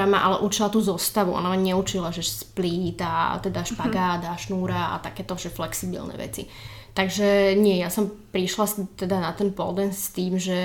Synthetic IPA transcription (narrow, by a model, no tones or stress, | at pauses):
amaʔa̰lɛʔut͡ʃilat̪uːzɔst̪aʋuʔɔ̰namaɲɛut͡ʃilaʒɛspliːt̪at̪ɛd̪aʃpaɡaːd̪aʃnuːɾaa̰t̪akɛːt̪ɔʒɛflɛksibḭlnɛ̰ʋɛ̰t͡sḭ | t̪aɡʒɛɲɪɛjasɔmpɾiʃlat̪ɛd̪anat̪ɛnpɔ̰ld̪ɛnst̪iːmʒɛ